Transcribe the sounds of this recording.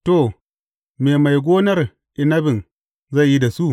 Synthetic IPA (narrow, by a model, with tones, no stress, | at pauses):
to˨ | meː˨ma˨jɡʷoː˦nɐ˦ɾ | ʔɪ˨nɐ˦bɪ˨n | za˦˨jji˦da˨su˦